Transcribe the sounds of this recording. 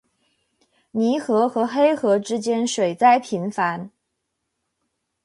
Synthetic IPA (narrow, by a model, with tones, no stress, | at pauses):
ni˧˥xɤ˧˥xɤ˧˥xe˥ɪxɤ˧˥ʈ͡ʂɻ̩˥t͡ɕjɛ˥nʂwe˨˩ɪt͡sa˥˩ɪpʰi˧˥nfa˧˥n